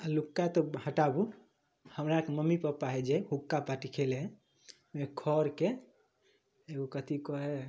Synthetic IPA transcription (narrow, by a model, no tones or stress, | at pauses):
alukːat̪ɔhəʈabu | həmɾakeməmːipəpːaɦɛd͡ʒehukːapaʈikʰelɦɛ̃ | mekʰɔɾke | eɡokət̪ikɔɦɛ